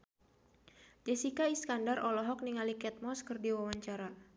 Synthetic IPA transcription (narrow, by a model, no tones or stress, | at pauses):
d͡ʒɛsikaiskandarʔɔlɔɦɔk̚niŋalikɛt̪̚mɔskɨrdiwawaɲt͡ʃaɾa